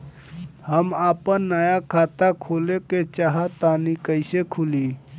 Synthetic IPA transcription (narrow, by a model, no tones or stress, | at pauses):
həmaːpənːəjakʰat̪akʰoleket͡ʃaɦat̪anikəɪsekʰuli